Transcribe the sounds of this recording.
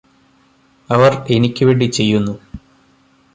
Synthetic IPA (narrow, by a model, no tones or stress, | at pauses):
ɐʋɐre̞nikʲːɨʋeːɳɖit͡ɕe̞jːunːu